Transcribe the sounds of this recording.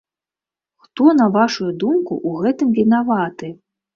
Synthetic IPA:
xt̪ɔnɐvaʂujud̪umkṵʔuɣɛt̪ɨmvʲinavat̪ɨ

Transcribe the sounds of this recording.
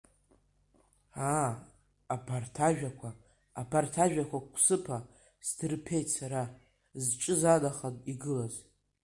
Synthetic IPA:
aː | pʰartʰaʒᶣakʷʰaː | pʰartʰaʒᶣakʷʰakʷʰsɨpʰa | sdɨrpʰe̞jtʰsaɾa | zt͡ʃʼɨzadaχadʼiɡɨlaz

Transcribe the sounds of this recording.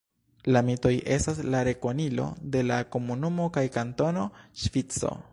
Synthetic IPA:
lamito̞jʔe̞staslaɾe̞ko̞nilo̞̰de̞lako̞munumo̞kajkanto̞no̞ʃvit͡so̞̰

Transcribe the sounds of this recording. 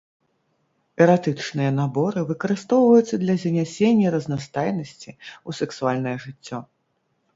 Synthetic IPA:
ɛɾat̪ɨt͡ʂnɨjɐnabɔɾɨvɨkɐɾɨst̪ɔwvɐjut̪sːɐd̪lʲɐzʲɐnʲɛsʲenʲːɐɾɐznast̪ajnɐsʲt͡sʲiusɛksualʲnɐjɐʐɨt͡sʲːɔ

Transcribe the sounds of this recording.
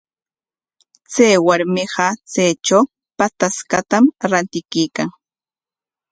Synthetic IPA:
t͡sajwaɾmɪɢɑt͡sejt͡ʃaw | pat̪askat̪amɾant̪ɪkijkaŋ

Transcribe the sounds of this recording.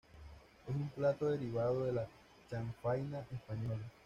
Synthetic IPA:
ohũmplat̪oeɾiβaðoðela | t͡ʃaŋfajnãʔespaɲola

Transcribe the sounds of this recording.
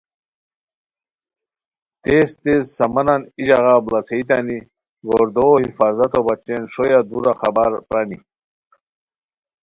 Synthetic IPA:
t̪est̪ezsɐmɐnanid͡ʑaɣablɐt͡sʰeit̪ani | ɡoɾd̪ohifaːzɐt̪obat͡ɕenʂojad̪uɾaxabaɾpɾani

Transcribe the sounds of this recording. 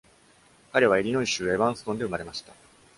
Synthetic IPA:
kaɾe̞β̞ae̞ɾʲino̞iɕɨːe̞βãɰ̃sɨ̥t̪o̞nd̪e̞ɯ̟maɾe̞maɕi̥t̪a

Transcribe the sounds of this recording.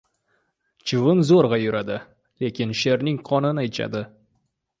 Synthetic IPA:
t͡ʃʰɪvɪnzoɾʁɑjʊɾad̪ɪ | le̞kʲɪnʃe̞ɾnɪŋqʰɒnɪnajt̪ʃa̰d̪ɪ

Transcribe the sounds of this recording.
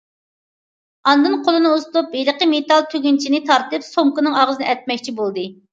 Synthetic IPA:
ɑnd̪ɨnqʰolˠɨnɨust̪upeləqəmet̪ɑlˠt̪ʰøɡʲint͡ʃʰinɪt̪ʰɑɾt̪ɨpsomkʊnɨŋɑʁzɨnɨʔɛt̪̚mɛkʲt͡ʃʰibolˠd̪ɨ

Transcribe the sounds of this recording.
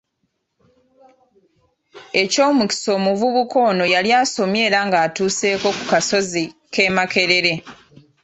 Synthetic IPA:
e̞co̞ːmuki̥so̞ːmuvuβuko̞ːno̞jaljaːso̞mje̞ːɾaŋɡaːtuːse̞ːko̞ku̥kaso̞zike̞ːmake̞ɾe̞ɾe̞

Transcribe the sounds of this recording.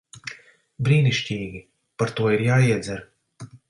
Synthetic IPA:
bɾiːniʃcʲiːɡʲi | paɾt̪uɔiɾjaːiɛd̪zɛɾ

